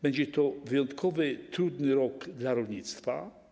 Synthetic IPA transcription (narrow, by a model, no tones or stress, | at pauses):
bɛɲd͡ʑɛt̪ɔvɘjɔnt̪kʰɔvɘt̪ɾud̪nɘɾɔɡd̪laɾɔlɲit̪st̪fa̰